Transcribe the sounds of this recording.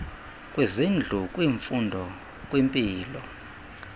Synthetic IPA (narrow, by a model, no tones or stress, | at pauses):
kʼwizind͡ɮʱukʼwiɱfundʱɔ | kʼwimpʼiːlɔ